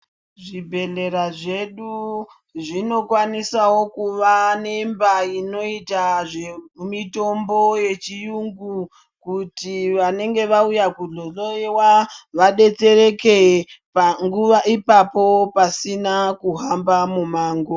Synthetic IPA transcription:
ʐibʱe̞ɮe̞ɾaʐe̞ɗu | ʐino̞kwanisawo̞kuʋane̞mbaino̞itaʐemito̞mbo̞je̞t͡ʃijuŋɡu | kutiʋane̞ŋɡe̞ʋaujakuɮoɮoewaʋaɗe̞t͡se̞re̞ke̞paŋɡuʋaʔipapo̞pasinakuɦambamumaːŋɡo

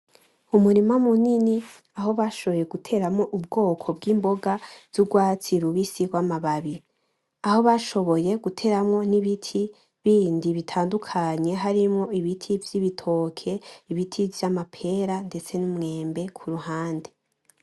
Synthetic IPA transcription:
umuɾimamunini | aɦo̞βaʃo̞βo̞je̞ɡutʰe̞ːɾamŋo̞ʔub̚ɡo̞ːkʰo̞bɡiːmbo̞ɡaz̥uɡwaːt͡siɾuβisiɡwamaβaβi | aho̞βaʃo̞βo̞je̞ɡutʰe̞ːɾamŋo̞niβitʰi | βiːndiβitʰaːndukʰaɲe̞ɦaɾimŋo̞iβitʰivjiβitʰo̞kʰe̞iβitʰivjamapʰe̞ɾande̞t͡se̞numŋe̞ːmbe̞kʰuɾuhaːnde

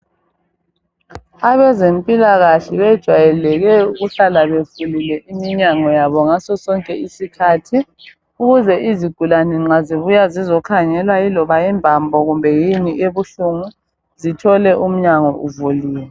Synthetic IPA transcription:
aβɛzempʼilaɣaɬiβɛd̥ʒ̥ʱwajɛlɛɣɛuɣuɬalaβefulilɛʔimiɲaŋɔjaβɔŋasɔsɔŋkʼɛisikʰatʰi | uɣuzɛʔiziɡ̥ʱulanɛŋ͡ǁaziβujazizɔkʰaŋɛlwailɔβajɛmbʱambʱɔɣumbʱɛjiniʔeβuɬuŋu | zitʰɔlɛʔum̩ɲaŋɔʔuvuliːwɛ

